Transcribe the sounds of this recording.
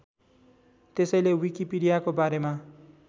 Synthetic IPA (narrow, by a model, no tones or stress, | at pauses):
t̪esʌjlewikipiɽijakobaɾema